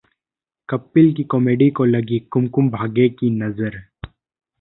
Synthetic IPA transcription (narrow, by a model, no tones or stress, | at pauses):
kɐpːɪlkikɔːmeːɖikolɐɡikʊmkʊmbʱaːɡekinɐzəɾ